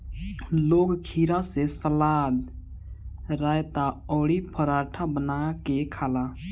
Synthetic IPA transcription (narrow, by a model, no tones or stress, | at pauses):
loɡkʰiɾasesəlad̪ | ɾajt̪aɔːɽipʰəɾaʈʰabənakekʰala